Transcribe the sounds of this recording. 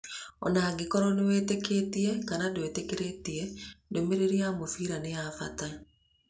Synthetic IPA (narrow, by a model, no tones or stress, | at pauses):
ɔ̰naɡekɔɾɔneweːtekeːtiekanadwetekeɾetiedomeɾeɾiamofiɾanejafa̰ta